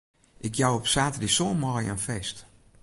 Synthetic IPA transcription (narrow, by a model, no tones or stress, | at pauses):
ʔɪkjawɔpsaːtədisoːmɔjə̰nfɛst